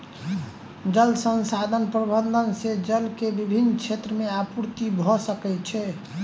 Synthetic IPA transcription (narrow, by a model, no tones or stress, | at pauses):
d͡ʒəlsənsad̪ʱənpɾəbənd̪ʱənsed͡ʒəlkebibʱinːt͡ʃʰet̪ɾəmeapuɾt̪ibʱɔsəkɛt͡ʃʰɛ